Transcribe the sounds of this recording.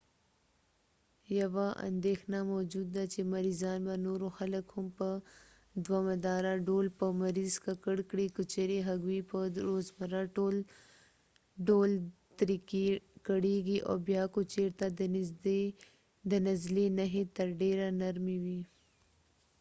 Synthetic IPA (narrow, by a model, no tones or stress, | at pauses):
jawaʔa̰nd̪exnamod͡ʒud̪ːat͡ʃemaɾizɑnbanoɾoxaləkhʊmpə | d̪wamad̪ɑɾaɖolpəmaɾizkakəɽkɽikət͡ʃeɾeɦaɡwipəɾozmaɾaʈol | ɖolt̪ɾikikəɽeɡiʔo̰bjɑkut͡ʃeɾt̪ad̪e | d̪ənazlenaɦet̪əɾɖeɾanaɾmiwi